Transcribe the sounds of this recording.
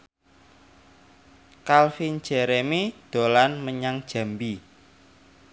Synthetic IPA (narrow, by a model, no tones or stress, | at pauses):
kalfin̥d͡ʒ̥ɛɾemid̪̥o̤lanməɲaŋd̥ʒ̥a̤mbi